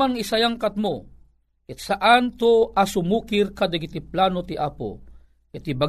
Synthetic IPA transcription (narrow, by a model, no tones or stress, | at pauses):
anɪsajaŋkat̪̚mo | ɛt̪saʔant̪oasʊmuːkɪrkad̪aɡit̪iplaːnot̪iʔaːpo̰ | ɪt̪iba